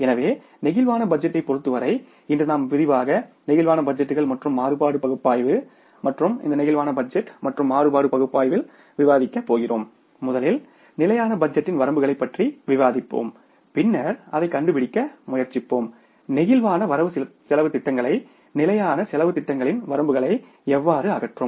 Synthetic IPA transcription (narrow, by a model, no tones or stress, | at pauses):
ɛnɐʋeː | nɪɣɪlʋaːnɐbɐd͡ʒːɐʈːɐɪpːɔɾɯt̪ːɯʋɐɾɐɪ | ɪndrɯnaːmʋɪðɪʋaːɣɐnɛɣɪlʋaːnɐbɐd͡ʒɐʈːɯɣɐɭmɐʈrɯmːaːɾɯpaːɽɯpɐɣɯpːaːjʋɯ | mɐʈrɯmɪ̰nd̪ɐnɪɣɪlʋaːnɐbɐd͡ʒɛʈːmɐʈrɯmːaːrɯpaːɽɯpɐɣɯpːaːjʋɪl | ʋɪʋaːðɪkːɐpːoːɣɪroːmː | ʊðɐlɪl | nɪlɐjaːnɐbɐd͡ʒɛʈːɪnʋɐɾɐmbɯɣɐɭɐɪpːɐʈriʋɪʋaːðɪpːo̰ːm | pɪnːɐɾɐðɐɪkːɐɳɖɯpɪɽɪkːɐmʊjɐɾt͡ʃːɪpːoːm | nɪɣɪlʋaːnɐʋɐɾɐʋɯsɪlɐʋɯt̪ɪʈːɐŋɡɐɭɐɪ | nɪlɐjaːnɐsɪlɐʋɯt̪ɪʈːɐŋɡɐɭɪnʋɐɾɐmbɯɣɐɭɐɪ | ɛʋːaːɾɯɐɣɐʈrɯm